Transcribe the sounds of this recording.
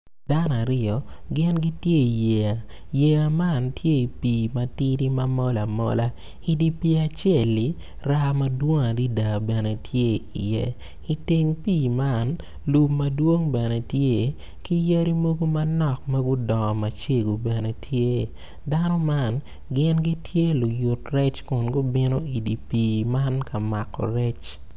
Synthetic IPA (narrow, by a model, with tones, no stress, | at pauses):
da˦na˨ɾɪ˦ɔ˨ɡɪ˦nɡi˦tje˦i˨je˨a˨ | je˨a˨ma˦˨ntʰje˦i˨piː˨mɐ˨ti˦ɾi˦mɐ˦mɔ˦la˨mɔ̰˦la˦ | i˦di˦pi˦a˨t͡ʃe˦˨li˨˦ | ɾa˦mɐ˦dwo˦ŋa˨di˦da˨bɛ˨ne˨tʰje˦ḭ˨jɛ̰˦ | i˨ti˦ŋpiː˨ma˦˨n | lu˨pmɐ˨dwo˦ŋbɛ˨ne˨tje˦˨ | ki˦jɐ˦ɾi˦mo˦ɡo˦mɐ˦nɔ˦˨k̚mɐ˦ɡʊ˦dɔ˨ɔ˨mɐ˨t͡ʃe˦ɡo˨bɛ˨ne˨tʰje˦ | da˦nɔ˦ma˦n | ɡɪ˦nɡi˦tʰje˦lʊ˨jʊ˨trɛ˦t͡ʃkʊ˨nɡʊ˦bɪ˦no˦i˨di˨piː˨ma˦nkɐ˨ma˨kːɔ̰˨ɾɛ˦t͡ʃ